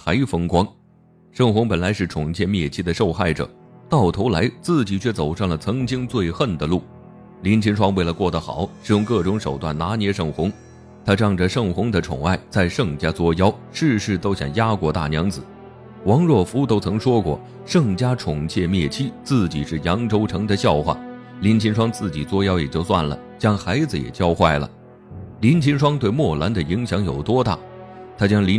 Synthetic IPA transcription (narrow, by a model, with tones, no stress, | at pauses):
xa˧˥ɪfɤ˥ŋkwɑ˥ŋ | ʂɤ˥˩ŋxʊ˧˥ŋpə˨˩nla˧˥ɪʂɻ̩˥˩ʈ͡ʂʰʊ˨˩ŋt͡ɕʰjɛ˥˧mjɛ˥˩t͡ɕʰi˥d̪ə˨˧ʂo˥˧ʊxa˥˩ɪʈ͡ʂɤ̰˨˩˦t̪ɑ˥˩ʊt̪ʰo˧˥ʊla˧˥ɪt͡sɹ̩˥˩t͡ɕi˨˩t͡ɕʰɥɛ˥˩t͡so˨˩ʊʂɑ˥˩ŋlə˩t͡sʰɤ˧˥ŋt͡ɕi˥ŋt͡swe˥˧ɪxə˥˩nd̪ə˩lu˥˩ | li˧˥nt͡ɕʰi˧˥nʈ͡ʂʰwɑ˥ŋwe˥˩lə˩kwɔ˥˩d̪ə˩xɑ̰˨˩˦ʊʂɻ̩˧˥jʊ˧˥ŋkɤ˥˩ʈ͡ʂʊ˧˥ŋʂo˨˩ʊt̪wa˥˩nna˧˥njɛ˧˥ʂɤ˥˩ŋxʊ˧˥ŋ | t̪ʰa˥ʈ͡ʂɑ˥˩ŋʈ͡ʂə˩ʂɤ˥˩ŋxʊ˧˥ŋd̪ə˨ʈ͡ʂʰʊ̰˨˩ŋa˥˧ɪt͡sa˥˧ɪʂɤ˥˧ŋt͡ɕja˥t͡swɔ˥jɑ˥ʊ | ʂɻ̩˥˧ʂɻ̩˥˩t̪o˥ʊɕjɑ̰˨˩ŋja˥kwɔ˧˥t̪a̰˥˩njɑ˧˥ŋt͡sɹ̩˨˩˦ | wɑ˧˥ŋɻwɔ˥˩fu˧˥t̪o˥ʊt͡sʰɤ˧˥ŋʂwɔ˥kwɔ̰˥˩ | ʂɤ˥˧˩ŋt͡ɕja˥ʈ͡ʂʰʊ˨˩ŋt͡ɕʰjɛ˥˧mjɛ˥˩t͡ɕʰi˥t͡sɹ̩˥˩t͡ɕḭ˨˩ʂɻ̩˥˩jɑ˧˥ŋʈ͡ʂo˥ʊʈ͡ʂʰɤ˧˥ŋd̪ə˨ɕjɑ˥˧ʊxwa̰˥˩ | li˧˥nt͡ɕʰi˧˥nʂwɑ˥ŋt͡sɹ̩˥˩t͡ɕi˨˩t͡swɔ˥jɑ˥ʊjɛ˨˩t͡ɕjo˥˧ʊswa˥˩nlə̰˩t͡ɕjɑ˥ŋxa˧˥ɪd͡zɹ̩˧jɛ̰˨˩t͡ɕjɑ˥ʊxwa˥˩ɪlə̰˩ | li˧˥nt͡ɕʰi˧˥nʂ̬wɑ˥ŋt̪we˥˧ɪmwɔ˥˩la˧˥nd̪ə˨i˧˥ŋɕjɑ˧˥ŋjo˨˩ʊt̪wɔ˥t̪a̰˥˩t̪ʰa˥t͡ɕjɑ˥ŋli˧˥